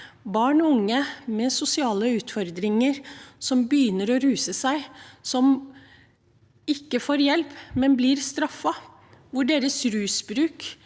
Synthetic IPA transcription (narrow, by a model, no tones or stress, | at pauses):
bɑːɳɔʊŋːəmɛsʊsɪɑːləʉːt̪fɔɾd̪ɾɪŋəɾsɔmbəjʏːnəɾɔɾʉːsəsæɪsɔm | ɪkːəfoːɾjɛlpmɛnblɪɾst̪ɾɑfːɑ | ʋʊɖeːɾəsɾʉːsbɾʉːk